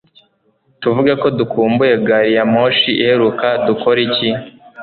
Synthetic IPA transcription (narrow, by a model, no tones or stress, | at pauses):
tuvuɡako̞dukʰuːmbuje̞ɡaɾijamoːʃiihe̞ɾukaduko̞ɾici